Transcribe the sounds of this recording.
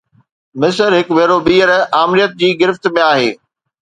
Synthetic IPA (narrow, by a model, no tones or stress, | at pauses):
mɪsəɾɦɪkʋeːɾobiːəɾaːmɾijət̪̚d͡ʑiːɡɪɾɪft̪mẽaːɦḛː